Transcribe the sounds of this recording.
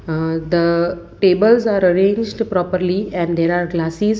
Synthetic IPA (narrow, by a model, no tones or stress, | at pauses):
d̪ə | ʈeːbəlzaːɾəɾẽːɲd͡ʒɖpɾɔːpəɾliɛ̃ɳɖd̪eːɾaːɾɡlaːsiz